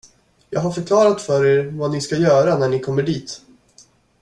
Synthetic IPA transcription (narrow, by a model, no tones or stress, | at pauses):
jɑ̰ːɡɦaɾfœɾkʰlɑːɾat̪fœɾeːɾvanɪskajœːɾanæɳɪkʰɔmːəɖiːt̪